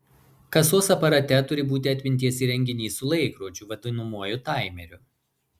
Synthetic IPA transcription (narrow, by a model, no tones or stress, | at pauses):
kɐsoːsɐpɐɾɐt̪ʲɛt̪ʊɾʲɪbuːt̪ʲɪɐt̪ʲmʲɪnʲt̪ʲiɛsiːɾʲɛŋʲɡʲɪnʲiːsʊlˠɐɪkɾuːt͡ʃʲuːʋɐd̪ʲɪnʊmuɔjʊt̪ɑˑɪmʲɛɾʲʊ